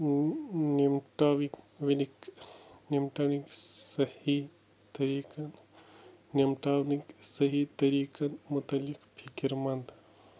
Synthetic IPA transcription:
nimʈaːʋik | ʋiniknimʈaniksɐhi | t̪ɐɾiːkɐn | nimʈawniksɐɦit̪ɐɾiːkɐnmut̪ɐlːikpʰikiɾmɐnd̪

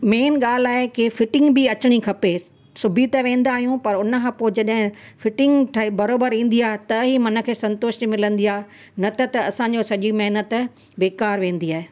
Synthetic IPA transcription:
meːnɠaːl̤aːekɪfɪʈɪ̃ŋɡbɪɐt͡ɕɪɽ̃ikʰɐpe | sʊbʱit̪ɐʋẽːnd̪aːɦijũpɐɾʊnə̆kʰãːpoːɪd͡ʑɐɗɦɪ̃fɪʈɪ̃ŋɡʈʰbɐɾoːbəɾĩːn̆d̪iaːɦet̪ɐɦimɐnə̆kʰeːsɐ̃nt̪oːʃʈ̪mɪlə̃nd̪iaːɦe | nɐt̪ɐt̪ɐɐsãɲd͡ʑosɐʄimɐɦnət̪ | beːkaːɾʋẽːnd̪iaːɦeː

